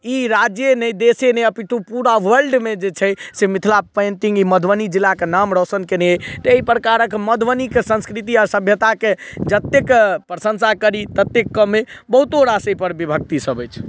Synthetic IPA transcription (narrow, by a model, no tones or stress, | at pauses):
iɾad͡ʒjenɛjd̪esenɛjəpiʈʰupuɾawəɾɖmed͡ʒet͡ʃʰɛsemit̪ʰlapẽnt̪iŋɡiməd̪ʱʋənid͡ʒilːakenamɾɔsənkenɛejt̪eipɾəkaɾəkməd̪ʱʋənikesə̃nskɾit̪iaɾsəbʱjət̪aked͡ʒət̪ːekpɾəsə̃nsakəɾit̪ət̪ːekːəmebəɦut̪oɾasəjpəɾbibʱək̚t̪isəbəjt͡ʃʰ